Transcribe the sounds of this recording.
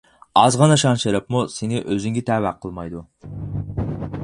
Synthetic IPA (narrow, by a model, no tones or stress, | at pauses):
ɑzʁɑnɑʃɑnʃeɾɨpmusenɪʔøzyŋɡʲɪt̪ʰæːwæqʰəlˠmɑjd̪u